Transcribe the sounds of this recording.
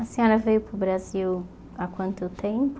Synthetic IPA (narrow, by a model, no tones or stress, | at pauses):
ɐsẽɔ̃ɾɐvejʊpʊbɾaziw | akwɐ̃nt̪ʊt̪ẽp